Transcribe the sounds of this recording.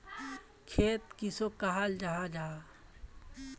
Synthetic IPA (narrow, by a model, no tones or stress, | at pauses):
kʰeːt̪kisokaɦald͡ʒaɦad͡ʒaː